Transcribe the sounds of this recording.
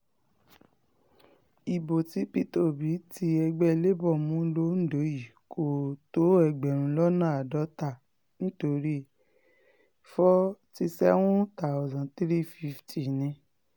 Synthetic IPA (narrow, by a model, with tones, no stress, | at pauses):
i˨bo˨ti˨˦pi˦to˦˨bi˨˦ti˧˦ɛ˧ɡ͡bɛ˦˧le˦bɔ˦˨mũ˦lo˦n̩˦˨do˨˦ji˨ko˨to˨˦ɛ˧˨ɡ͡bɛ˨ɾ̃ũ˧lɔ˦nã˦˨a˨dɔ˨˦ta˦˨ | nĩ˦to˧ɾi˦ | fɔ˦ti˧sɛ˦wũ˦ta˨ɔ˨zã˨tɾi˦fi˦˧˦fti˨nĩ˧˦